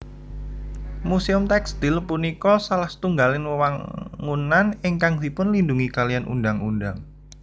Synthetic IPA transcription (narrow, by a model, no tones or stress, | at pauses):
museʊmt̪ɛkst̪ilpunikɔsalaht̪uŋɡalɪnwəwaŋunanɪŋkaŋd̥̪ipʊnlinduŋikalijanʔṵndaŋundaŋ